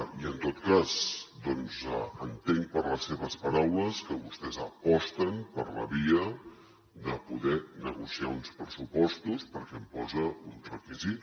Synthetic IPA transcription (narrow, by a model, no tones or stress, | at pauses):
iənt̪ot̪kazd̪ɔnzəənt̪eŋpəɾləseβəspəɾawləskəβust̪ɛzəpɔst̪əmpərlə̰βiə | d̪əpuðɛnəɣusiaunspɾəsupɔst̪uspəɾkɛmpɔzəunrəkizi